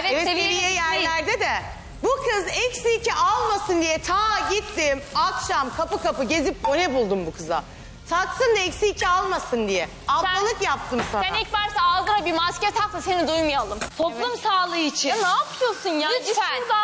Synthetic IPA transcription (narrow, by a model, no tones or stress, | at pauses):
eɛvɛvievijɛjæɾlʲæɾd̪ed̪ɛ | bukʰɯzɛcsiːcʰiʔalˠmasɯnd̪ijɛt̪ʰaːɟit̪ːimakʃamkʰapɯkapɯɟe̞zip̚o̞nɛbulˠd̪umbukʰɯza̰ | t̪ʰak̪sɯnd̪aɛcsiːcʰialˠmasɯnd̪ijɛ | alˠalˠɯkjap̚t̪ʰɯmsaænic̚bæɾsaːlˠɡɯɾabiɾmascɛɾt̪ʰaklˠasenid̪ujmujalˠɯmt̪ʰoplˠumsaːlˠɯit͡ʃʰinaːpʰɯjosunjaːina